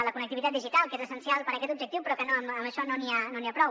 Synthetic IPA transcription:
ələkunək̚t̪iβit̪at̪d̪iʒit̪alˠkezəsənsialˠpəɾəkɛt̪ubʒək̚t̪iwpɾɔkənoəməməʃɔnonianoniapɾɔ

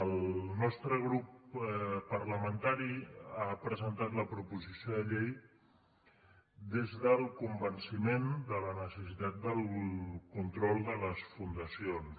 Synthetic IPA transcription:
əlˠnɔst̪ɾəɣɾup | pəɾləmənt̪aɾiapɾəzənt̪at̪ləpɾupuzisioðəʎej | d̪ezðəlˠkumbənsimend̪ələnəsəsit̪at̪̚d̪əlˠkunt̪ɾɔlˠd̪ələsfund̪əsions

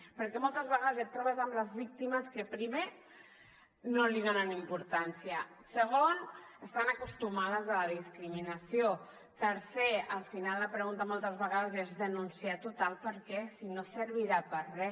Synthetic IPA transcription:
pəɾkɛmɔlˠt̪əzβəɣaðəzət̪ːɾɔβəzəmləzβik̚t̪iməskəpɾiβe | noliðonanimpuɾt̪ansiə | səɣonəst̪anəkust̪umað̞əzələðiskɾiminəsio | t̪əɾseəlˠfinalˠːəpɾəɣunt̪amɔlˠt̪əzβəɣaðəzezðənunsiat̪ut̪alˠpəɾkɛsinosəɾβ̞iɾapərrɛ

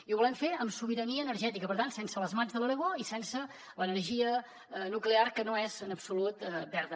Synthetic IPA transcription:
iuβulɛɱfeəmsuβiɾəniəːnəɾʒɛt̪ikəpəɾt̪ansɛnsələzmanzðəlˠələɣwoisɛnsə | lənəɾʒiə | nuklearkənoezənəpsulut̪bɛɾðə

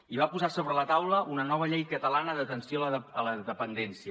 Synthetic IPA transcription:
iβapuzasoβɾələt̪awləʔunənɔβ̞əʎejkət̪əlanəðət̪ənsjoləələðəpənd̪ɛnsiə

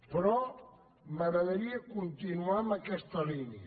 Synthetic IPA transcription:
pɾɔ | maɣɾaðəɾiakunt̪inuamakɛst̪ɐliniə

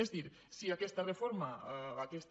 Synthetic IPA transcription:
ezðiɾ | siakest̪arefoɾmaakest̪

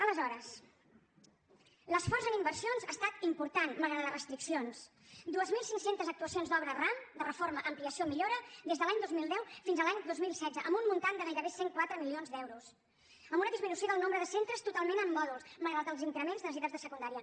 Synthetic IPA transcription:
ələzɔɾəs | ləsfɔrzənimbəɾrsionzaːst̪at̪impuɾt̪anməlˠɣɾaðərəst̪ɾiksions | d̪uəzmilˠsiŋksent̪əzək̚t̪uəsionzd̪ɔβɾəramd̪ərəfoɾməʔəmpliəsiomiʎoɾəðezðəlaɲd̪ozmilˠd̪ɛwfinzəlaɲd̪ozmilˠsɛd̪d͡zəʔəmbummunt̪and̪əɣajɾəβeseŋkwat̪ɾəmilionzd̪ɛwɾus | əmbunəðizminusjoðəlˠnombɾəðəsent̪ɾəst̪ut̪alˠmenəmːɔðulˠzməlˠɣɾalt̪əlˠziŋkɾəmenzðəziðəzðəsəkund̪aɾiə

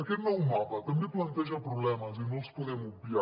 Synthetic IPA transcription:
ɾkenːɔwmapat̪ɐmbeplɐnt̪ɛʒapɾoblɛmazenolspoðɛmubja

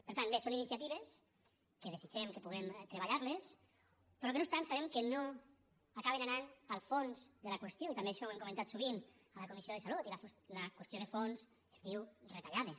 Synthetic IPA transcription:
peɾt̪anbesoninisiat̪iβes | keð̞esid͡ʒɛmkepuɣ̞emt̪ɾeβaʎaɾles | pɾɔkenoest̪ansaβemkeno | akaβenananalˠfonzd̪elakwest̪joit̪ambeaʃɔwemkument̪at̪suβ̞in | alakumisioðesalut̪ilaflakwest̪joðefons | est̪iwret̪aʎaðe

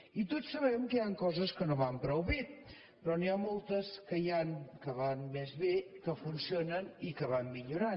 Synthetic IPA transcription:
it̪osəβ̞ɛmkəaŋkɔzəskənoβampɾəwβit̪̚ | pɾɔniamolˠt̪əskəjaŋkəβanmezβekəfunsionənikəβammiʎuɾan

